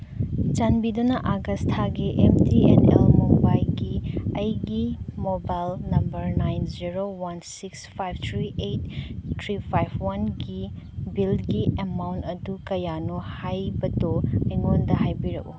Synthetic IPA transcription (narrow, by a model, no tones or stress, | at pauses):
t͡ʃanbidunɐʔaɡɐstʰaɡiʔemtiḛnḛlmumbajɡiɐjɡimobajlnɐmbɐɾnajnziɾowansikspʰajbtʰɾiʔetːʰɾipʰajbwanɡi | bilɡiʔemawntɐdukɐjanuhajbɐdoɐjŋondɐɦajbiɾɐk̚u